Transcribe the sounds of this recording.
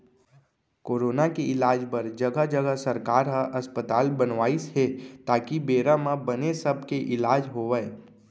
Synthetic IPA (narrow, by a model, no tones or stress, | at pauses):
koːɾoːnakeɪlaːd͡ʒpəɾd͡ʒəɡəd͡ʒəɡəsəɾkaːɾɦəʔɐspət̪aːlbənʋaːisɦɛt̪aːkibeːɾamãbənesəb̚ʱkeʔɪlaːd͡ʒɦoːʋə